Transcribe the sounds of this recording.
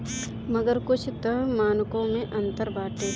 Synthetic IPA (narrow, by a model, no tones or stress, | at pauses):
mɐɡəɾkʊt͡ʃʰt̪əɦmaːnkõmẽʔɐ̃nt̪əɾbaːʈe